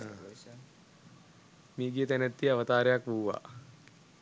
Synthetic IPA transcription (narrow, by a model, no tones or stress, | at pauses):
miːɡijət̪ænæt̪ːiaʋət̪aːɾejakʋuuʋa̰ː